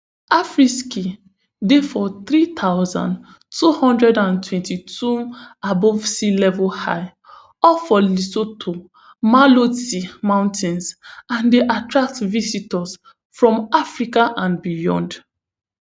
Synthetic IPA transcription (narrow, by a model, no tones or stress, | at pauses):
afɹiski | defɔθɹit̪ʰaʊzã̰n | tuhɔ̃ndɹɛdãntʰwɛ̃ntitʰuabɔv̥silɛvɔha̰ɪ | ɔfɔlisotʰo | malotimãʊ̃ntɛ̃nsãndeʔatɹak̚tvisitɔs | fɹɔ̃mafɹikaʔãnbijɔ̰̃nd